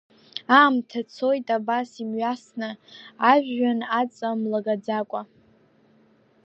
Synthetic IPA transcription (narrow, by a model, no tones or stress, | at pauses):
aːmtʰat͡sʰo̞jtʼabasimɥasnɨaʒᶣːanat͡sʼamlaɡad͡zakʷʼa